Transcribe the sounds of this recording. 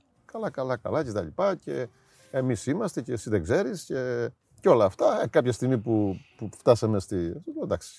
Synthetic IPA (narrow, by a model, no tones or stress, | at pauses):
kɐlɐkɐlɐkɐ̰lɐcet̪ɐʎipɐce̞ː | misimɐst̪e̞cesiðeɡze̞ɾisce̞ | ceo̞lɐːft̪ɐekɐpçɐst̪iɣmipupuft̪ɐsɐme̞st̪iod̪ɐksi̥